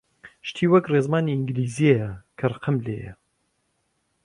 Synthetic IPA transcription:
ʃt̪ʰiːwɐkrezmaːniɪŋɡliːzijejɐkʰɐrˤɐqɨmlḛːjɐ̰

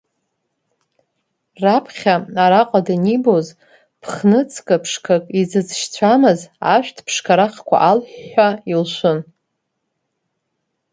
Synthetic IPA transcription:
rapʰχʲaaɾaqʼadaniboz | pʰχnɨt͡sʰkʼɨpʰʂkʰakʼid͡zɨd͡zʃt͡ɕʷʰamɨzaʃᶣtʰpʰʂkʰaɾaχkʷʰa̰ʔalħailʃʷʊn

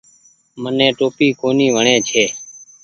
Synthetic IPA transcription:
mənẽːʈoːpiːkʰoːniːʋəɳẽːt͡ʃʰeː

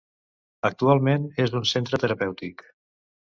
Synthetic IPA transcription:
ək̚t̪ualˠmenezd̪unsent̪ɾət̪əɾəpɛwt̪ik

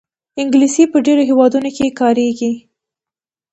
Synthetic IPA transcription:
ɪŋɡlisipəɖeɾoɦewɑd̪unokekɑɾeɡi

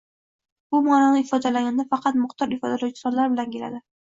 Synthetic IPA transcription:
bʊmɒɾanɪɪfɒd̪alaɡʲand̪afɑqʰɑt̪mʊχt̪ʰɒɾɪfɒd̪alawt͡ʃʰɪ̥sɒnlaɾbɪlankʲe̞la̰d̪ɪ

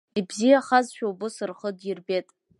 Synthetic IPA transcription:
ibzijaχazʃᶣawbɨsɨrχədjɪrbe̞tʼ

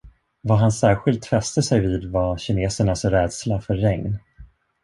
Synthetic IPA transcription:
vaɦansæːɾɧɪlt̪fɛst̪əsɛjviːd̪vaɕɪneːsəɳasɾɛːd̪slafœɾːɛŋn

